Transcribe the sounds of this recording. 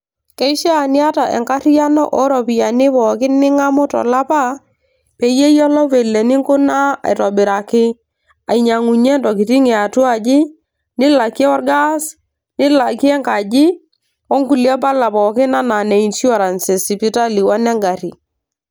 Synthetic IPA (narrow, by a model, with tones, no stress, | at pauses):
kɛ˦i˦ʃɛ˦a˨nɪ˦a˦ta˨ʔɛ̰˨ŋka˦ɾi˦ja˦nɔ˦ʔɔ˦ɾɔ˨pi˨ja˨nɪ˦pɔ˨kɪ˦nɪ˦ŋa˦mʊ˦tɔ̰˨la˦pa˦ | pe˨je˦jɔ˦lɔ˦ve˨le˨nɪ˦ŋkʊ˦na˦a̰˨jtɔ˨bɪ˨ɾa˨kɪ˦ | a˨i˨ɲa˨ŋu˨ɲe˦ntɔ˨ki˨ti˦ŋɛ˨a˨tu˦a˨d͡ʒɪ˦ | nɪ˦la˨ki˦ɛ˦wɔ˦rɡa˦s | nɪ˦la˨ki˦ɛ˦ŋka˨d͡ʒɪ˦ | wɔ˦ŋku˨lja˦pa˦la˨pɔ˨kɪ˦na˦na˨ne˨i˨nsu˦ɔ˦˨ɾa˨nsɪ˨si˨pi˨ta˦li˨wa˦nɛ˦ŋɡa˨ɾi˨